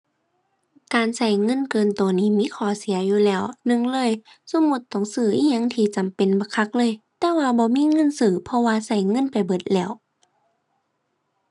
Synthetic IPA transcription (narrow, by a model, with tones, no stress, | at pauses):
kaː˨nsa˧˩jŋɤ˧˥˨nkɤː˨nt̪oː˨niː˧˥˩miː˧˥˨kʰɔː˧˩si˨˩˦ɐjuː˧lɛː˧˩˨wnɯ˧˥˨ŋlɤː˧˥˨j | so˧˥˦mu˧˦t̪ːɔ˧˩˨ŋsɯː˧˩ʔiː˧˥ɲa˧˥˨ŋt̪ʰiː˧˩t͡ɕa˨mpe˨nbɔ˧˦kʰa˧k̚lɤː˧˥˨jt̪ɛː˧waː˧bɔː˧˦miː˧˥˨ŋɤ˧˥˨nsɯː˧˩pʰɔ˧waː˧sa˧˩jŋɤ˧˥˨npa˨˩jbɤ˧˩t̪̚lɛː˧˩w